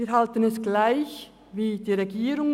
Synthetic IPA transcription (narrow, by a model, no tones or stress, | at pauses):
ɾɦalt̪ənɛsɡ̥laɪç | ʋiːd̪̥iːɾɛɡiːɾʊŋ